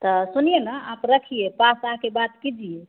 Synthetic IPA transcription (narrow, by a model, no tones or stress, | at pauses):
t̪ɔsunijenəapɾəkʰijepasəɦãkebat̪kid͡ʒije